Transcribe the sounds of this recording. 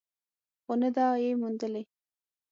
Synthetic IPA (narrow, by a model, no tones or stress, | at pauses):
xonəd̪ɑjemund̪əle